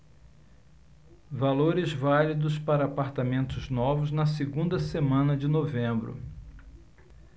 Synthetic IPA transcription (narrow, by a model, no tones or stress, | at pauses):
valoɾɪzvalid̪ʊspaɾɐapaɾt̪amẽnt̪ʊznɔvʊznɐseɡũnd̪ɐsemɐ̃nɐd͡ʒɪnovẽmbɾʊ̰